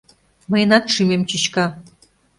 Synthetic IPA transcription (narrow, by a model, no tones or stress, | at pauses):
məjənɑt̪ʃymemt͡ɕit͡ɕkɑ